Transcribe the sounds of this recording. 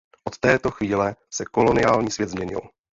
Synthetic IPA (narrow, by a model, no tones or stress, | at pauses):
ʔot̪ːɛːt̪o̞xviːlɛsɛko̞lo̞nɪjaːlɲiːsvjɛt̪zmɲɛɲɪ̰l